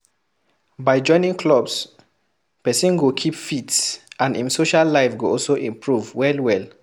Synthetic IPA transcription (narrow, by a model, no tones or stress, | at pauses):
baɪd͡ʒɔ̃ɪ̃nĩŋkʰlɔbs | pɛsĩnɡokʰipfitsʔãnḭ̃msoʃalːaɪfɡoɔlsoʔĩmpɹuvwɛlwɛl